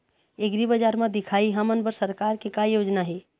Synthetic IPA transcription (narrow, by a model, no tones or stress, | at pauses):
eɡɾibəd͡ʒaɾmãd̪ikʰaiɦamənbəɾsəɾkaɾkekajod͡ʒnaɦe